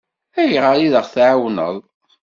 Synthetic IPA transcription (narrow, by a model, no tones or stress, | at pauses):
æjʁəjiðəʁθʕawnə̰ðˤ